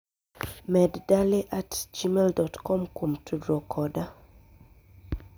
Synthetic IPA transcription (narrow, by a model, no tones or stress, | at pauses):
mɛddaleʔatd͡ʒimeldɔtkɔ̃mkʰɔmtʰudɹɔkʰɔda